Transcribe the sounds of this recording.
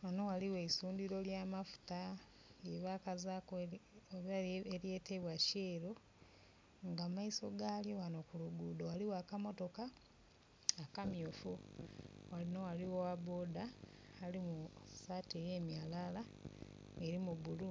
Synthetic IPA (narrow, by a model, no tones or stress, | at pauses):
wanowaliwe̞isuːndiɾo̞ljaːmafu̥ta | eβakazakoβaeɾje̞ːteβwaceːɾo | ŋɡamaiso̞̰ɡaːljo̞wano̞kuluɡuːdowaliwakamo̞to̞kaː | kamjufu | walinowaliwowaβo̞ːdaːlimusaːtejeːmjalala | eɾimuβulu